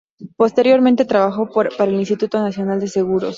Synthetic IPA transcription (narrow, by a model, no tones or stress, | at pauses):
po̞st̪e̞ɾjo̞ɾment̪e̞t̪ɾaβaxo̞paɾaelinst̪it̪ut̪o̞nasjo̞nald̪e̞se̞ɣuɾo̞s